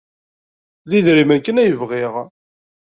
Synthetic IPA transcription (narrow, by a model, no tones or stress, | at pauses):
ðiðɾimænkːənæjəvʁiʁ